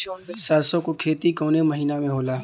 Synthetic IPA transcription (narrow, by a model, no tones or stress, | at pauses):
saɾsõkokʰeːt̪ikoːneməɦiːnamẽɦoːlaː